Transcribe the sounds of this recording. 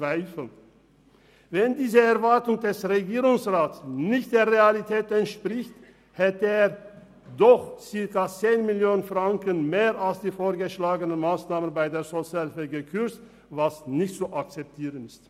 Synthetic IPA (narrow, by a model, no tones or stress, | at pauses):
t͡sv̥aɪfl̩n | vɛndiːzəɛɐvaɐtʊŋdɛsʁeɡiːʁʊŋsʁaːtsnɪçt̚d̥eːɐʁealitʰɛːtɛntʃpʁɪçt | hɛtəeːɐ | dɔχt͡sɪɐkɐt͡seːnmɪljoːnənfʁ̥aŋkənmeːʁalsd̥iːfoːɐɡəʃlaːɡənənmaːsnaːmənbaɪdeːɐzot͡sjaːlfɛɡəkʰʏɐt͡st | vasnɪçtt͡suʔak̚t͡sɛp̚tʰiːʁənɪst